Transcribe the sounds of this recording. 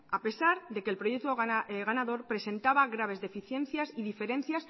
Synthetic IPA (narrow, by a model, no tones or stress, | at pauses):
ape̞saɾðe̞kelpɾo̞je̞k̚t̪oɣeɣanaðo̞ɾpɾe̞se̞nt̪aβaɣɾaβ̞e̞zðe̞fiθje̞nθjasiðife̞ɾẽ̞n̟θjas